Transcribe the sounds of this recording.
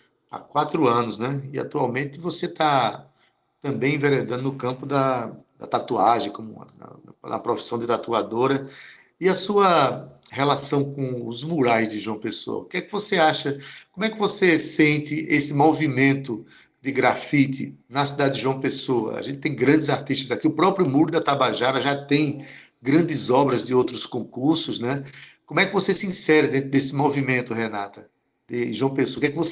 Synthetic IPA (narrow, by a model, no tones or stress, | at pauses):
a̰kwat̪ɾʊɐ̃nʊsnɛɪa̰t̪uawmẽnt̪ɪvoset̪a | t̪ɐ̃bẽj̃ĩveɾed̪ɐ̃d̪ʊnʊkɐ̃pʊd̪ɐd̪ɐ̰t̪at̪uaʒẽj̃kõmʊ̰ɐ̰ɐ̰pɾofi̥sɐ̃w̃d̪ɪt̪at̪uad̪oɾɐ | ɪɐsuɐhelasɐ̃w̃kõʊzmuɾajzd̪ɪʒwɐ̃peso̰ɐ̰kɛkɪvoseaʃɐkõmʊɛkɪvosesẽnt̪ɪʔesɪmovimẽnt̪ʊ | d̪ɪɡɾafit̪ɪ̰nɐsid̪ad̪ɪd̪ɪʒwɐ̃w̃pesoɐ̰ʒẽt̪ɪ̥t̪ẽj̃ɡɾɐ̃d̪ɪzaɾt̪iʃt̪ɐzakiʊpɾɔpɾjʊmuɾʊd̪ɐt̪abaʒaɾɐʒat̪ẽj̃ | ɡɾɐ̃nd̪ɪzɔbɾɐzd̪ɪowt̪ɾʊskõkuɾsʊznɛkõmʊɛkɪvosesɪĩsɛɾɐd̪ẽt̪ɾʊd̪esɪmovimẽnt̪ʊɦena̰t̪ɐ | d̪ɪʒwɐ̃w̃pesoɐkɛkɪvos